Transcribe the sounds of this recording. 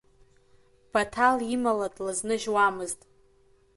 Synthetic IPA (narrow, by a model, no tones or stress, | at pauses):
b̥atʰalimaladʼlaznɨʒwamɨztʼ